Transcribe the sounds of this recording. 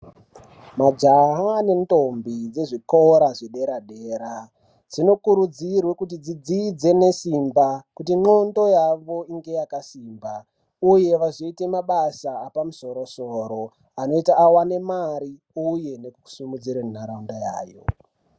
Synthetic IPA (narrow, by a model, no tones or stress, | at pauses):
mad͡ʒaɦane̞nto̞mbid͡ze̞ʐikoɾaʐeɗe̞ɾaɗe̞ːɾa | d͡zino̞kuɾud͡zirwe̞kut̬id͡zid͡zid͡ze̞ne̞simbakutiŋ͡ǃondo̞jaʋo̞iŋɡe̞jakasiːmba | uje̞ʋaʐoite̞maɓasaːpamuso̞ɾo̞soɾo̞ | ano̞itaːwane̞maɾi | uje̞ne̞ku̥sumud͡ziɾemunaɾaundaja̰ːjo̞̰